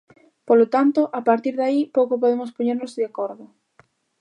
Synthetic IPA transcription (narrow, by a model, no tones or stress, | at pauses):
polot̪ant̪ʊʔapaɾt̪iɾðaipowkʊp̬oðemʊspoɲeɾnʊzðakɔɾðʊ